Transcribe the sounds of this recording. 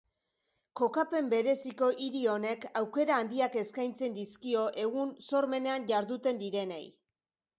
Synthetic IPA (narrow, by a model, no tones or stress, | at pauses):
ko̞kape̞mbe̞ɾe̞siko̞ʔiɾio̞ne̞kawke̞ɾaːnd̪iake̞skajnt͡se̞nd̪iskio̞ʔe̞ɣunso̞ɾme̞ne̞anʝaɾðut̪e̞nd̪iɾe̞nḛj